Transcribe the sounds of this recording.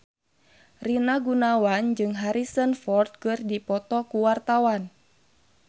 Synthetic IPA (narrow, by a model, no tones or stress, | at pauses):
rinaɡunawand͡ʒɨŋɦaɾisənfɔrt̪̚kɨrdipɔt̪ɔkuwart̪awan